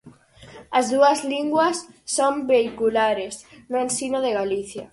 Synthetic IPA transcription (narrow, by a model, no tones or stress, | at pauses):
ɐzðuɐzliŋɡwɐsːombeikulaɾesnʊẽnsinoðeɣaliθja̰